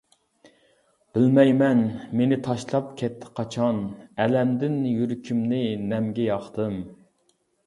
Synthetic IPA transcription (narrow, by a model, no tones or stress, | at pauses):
b̥ɪlmɛjmɛnmenɪt̪ʰɑʃlˠɑp̚kʲʰɛt̪ʰːɪ̥qʰɑt͡ʃʰɑnɛlɛmd̪ɪnjyɾkʲʰimnɪnɛmɡʲɛjɑχt̪ʰɨm